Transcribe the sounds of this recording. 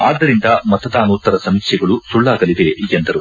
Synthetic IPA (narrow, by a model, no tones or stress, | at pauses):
aːd̪ːɐɾind̪ɐmɐt̪ɐd̪aːnuːt̪ːɐɾɐsɐmikʂjɐɡɐɭusuɭːaːɡɐlid̪e̞ʔiɡend̪ɐɾu